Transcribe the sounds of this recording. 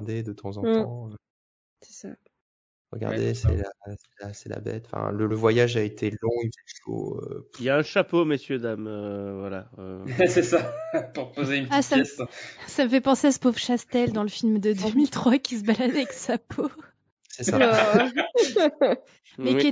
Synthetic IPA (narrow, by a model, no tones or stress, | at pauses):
d̪ed̪ət̪ʰɑ̃zɑ̃t̪ɑ̃ | sɛ̥sa | ʁə̰ɡa̰ʁd̪ḛsɛ̰lasɛlasɛla̰bɛ̰t̪ɑ̥̃fɛ̰̃lələvwajaʒaet̪ʰelɔ̃ivɛko̰ø̰iljaɛ̃ʃapoməsjød̪amøvwalaøsɛsapuʁpozeynpasassaməfɛpɑ̃seasə̥povʃast̪ɛld̪ɑ̃ləfilmd̪əd̪ømilt̪χwakʲis̬əbalad̪aɛksapʰo | sɛsa | mɛe